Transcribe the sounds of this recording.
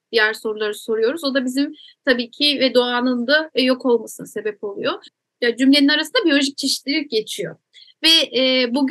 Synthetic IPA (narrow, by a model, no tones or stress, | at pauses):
d̪̥ijæɾso̞ɾulˠaɾɯso̞ɾujo̞ɾuzo̞d̪abizimt̪ʰabiːcʰɪvɛd̪o̞aːnɯnd̪ajo̞kʰo̞lˠmasɯnse̞bɛpo̞lˠṵjo̞ | jad͡ʒymlʲe̞ninaɾasɯnd̪abijo̞lʲoʒic̚t͡ʃʰe̞ʃi̥t̪lʲilʲic̚ɟe̞t͡ʃʰijo̞̰ | vɛɛbuɡ